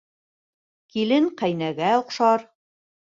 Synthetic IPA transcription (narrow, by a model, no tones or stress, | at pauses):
kilɘŋqæjnæɡæŏqʃɑɾ